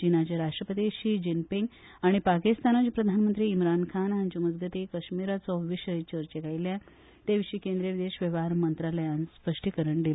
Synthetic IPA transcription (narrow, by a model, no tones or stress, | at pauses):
d͡ʑinat͡ɕeɾaʂʈɾəpət̪iɕid͡ʑinpiŋɡ | aɽ̃ipakist̪anat͡ɕapɾəd̪ʱanmənt̪ɾiːmɾankʰanɦaɲt͡ɕuməd͡zɡət̪ikəɕmiɾat͡sɔʋiɕəjt͡ɕəɾt͡ɕekajlja | t̪eʋiɕiːkend̪ɾeʋid̪eɕʋəʋaaɾmənt̪ɾaləjãnspəʂʈikəɾəɳɖ̪il